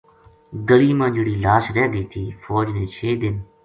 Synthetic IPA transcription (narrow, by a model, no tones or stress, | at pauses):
ɡəliːmãːd͡ʒɪɽiːlaːsɾɛːd̪iːt̪ʰiːfɔːd͡ʒnẽːt͡ʃʰeːd̪ɪn